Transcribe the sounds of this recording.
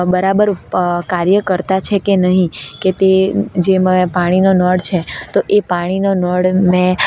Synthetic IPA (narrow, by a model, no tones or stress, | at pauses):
bəɾabəɾkaɾjəkəɾt̪at͡ʃʰekenəɦĩket̪ed͡ʒempaɽ̃inonɔɽt͡ʃʰet̪oʔepaɽ̃inonɔɽmɛ̃